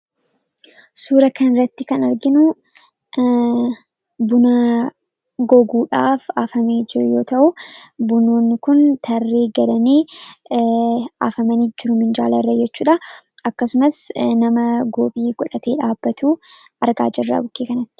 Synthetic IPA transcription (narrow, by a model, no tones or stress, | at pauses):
suːɾɐkɐnɪrːɐt̪ːɪkɐnɐɾɡɪnʊ | bʊnaɐ | ɡɔɡuːᶑaːfaːfɐmeːd͡ʒɪɾʊjo̞ːt̪ɐʔʊbʊnoːnːɪkʊnt̪ʰɐrːeːɡɐlɐniː | a̰ːfɐmɐniːd͡ʒɪɾʊmɪnd͡ʒaːlɐrːɐd͡ʒɛt͡ʃːuːᶑɐ | ʔɐkːɐsʊmɐsnɐmɐɡoːbʼiːɡɔᶑɐt̪ʰe̞ːᶑaːbːɐt̪uː | ʔɐɾɡa̰ːd͡ʒɐrːɐ̰bʊkːeːkɐnɐt̪ːɪ̥